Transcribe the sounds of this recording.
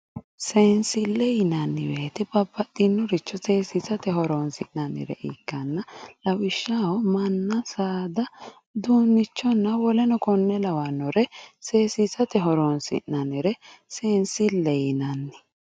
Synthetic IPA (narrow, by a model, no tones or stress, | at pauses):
seːnsɪlːɛjɪnɐnːɪbeːt̪ɛbɐbːɐt̪ːɪnːɔɾɪt͡ʃːɔseːsisɐt̪ɛɦɔɾoːnsɪʔnɐnːɪ̰ɾɛ̰ʔiːkːɐnːɐlɐwɪʃːahɔmɐnːɐsaːd̪ɐ | d̪uːnːɪt͡ʃːɔnːɐwɔlɛnɔkɔnːɛlɐwanːɔɾɛseːsisɐt̪ɛɦɔɾonsɪ̰ʔnɐnɪɾɛseːnsɪlːɛjɪnɐnːɪ